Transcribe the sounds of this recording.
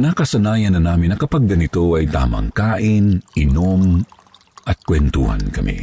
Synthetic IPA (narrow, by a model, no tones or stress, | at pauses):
nakɐsɐnaːjɐnːɐnaːmɪnːɐkɐpaɡ̚ːɐnɪt̪oʔɐjt̪a̰ːmɐ̰ŋkaːʔɪnʔɪnom | ʔɐt̪̚kwɛnt̪ṵhɐ̰nkɐ̰mʔḭ